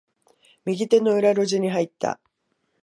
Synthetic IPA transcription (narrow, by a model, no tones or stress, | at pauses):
mʲiɡʲit̪e̞no̞ɯ̟ɾaɾo̞ʑiɲ̟iɦait̪ːa̰